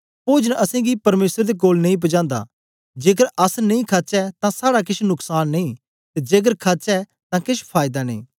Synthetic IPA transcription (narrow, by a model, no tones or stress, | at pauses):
poːd͡ʒnɐsɛ̃ɡipɐɾmeːsɾd̪ek̬oːlnɐ̃ĩp̬ɐd͡ʒãːnd̪a̰ː | d͡ʒeːkəɾɐsnɐĩkʰat͡ʃɛt̪ãsaːɽak̬ɪʃnʊksaːnːɐĩ | t̪ed͡ʒeːk̬əɾkʰat͡ʃɛ | t̪ãkɪʃpʰaːɪd̪anḛ̃ĩː